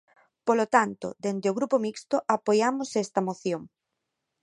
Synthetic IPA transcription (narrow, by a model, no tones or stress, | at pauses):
polot̪ant̪o̰d̪end̪ɪoɣɾupomikst̪oʔapojamʊsest̪ɐmoθjoŋ